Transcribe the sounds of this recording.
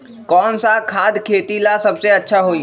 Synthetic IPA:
kɔːnsakʰaːd̪kʰeːt̪ilasəbseətːʃʰaɦoi

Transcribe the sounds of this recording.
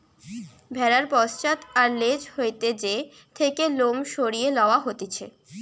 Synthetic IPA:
bʱɛɾaɾpɔst͡ɕat̪aɾled͡ʑhojt̪ed͡ʑe | t̪ʰekelomʃoɾijelɔaɦot̪et͡ɕʰḛ

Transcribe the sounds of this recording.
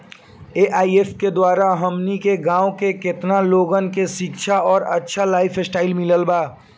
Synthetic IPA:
eːʔaːiefked̪waːɾaɦɐmnikeɡãːokekɪt̪naloːɡənkeʃɪkʃʰaɔːɾɐtːʃʰalaːɪfʰɪsʈaːɪlmɪləlbaː

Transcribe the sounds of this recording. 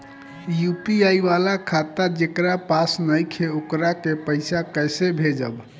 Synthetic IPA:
jupiaiβalakʰat̪ad͡ʒekɾapasnəjkʰeokɾakepəɪsakəjsebʱed͡ʒəb

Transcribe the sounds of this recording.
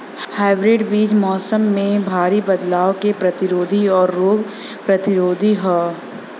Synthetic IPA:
haːɪbɾeːɖbiːd͡ʒmɔːsəmːẽbʱaːɾibɐd̪laːokepɾɐt̪ɪɾoːd̪ʱiɔːɾːoːɡ | pɾɐt̪ɪɾoːd̪ʱiɦɛː

